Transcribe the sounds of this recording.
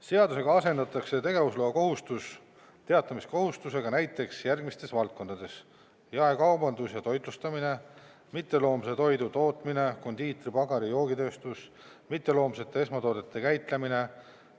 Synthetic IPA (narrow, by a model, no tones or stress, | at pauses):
se̞ɑd̪use̞ɡɑɑse̞nd̪̥ɑt̪ːˑɑkse̞t̪e̞ɡe̞vusloːɑko̞ɦust̪us | t̪e̞ɑt̪ːˑɑmisko̞ɦust̪use̞ɡ̥ɑnæjt̪ːˑe̞ksjærɡmist̪e̞svɑlt̪̚ko̞nd̪ɑd̪̥e̞s | jɑekɑwbɑnd̪usjɑt̪o̞jd̪lust̪ɑmine̞ | mit̪ːˑe̞lo̞ːmset̪o̞jd̪ut̪o̞ːt̪ˑmine̞ko̞nd̪iːt̪ripɑɡɑɾijo̞ːɡit̪ø̞ːst̪us | mit̪ːe̞lo̞ːmse̞t̪ːˑee̞smɑt̪o̞ːd̪e̞t̪ːˑe̞kæjt̪ˑlemine̞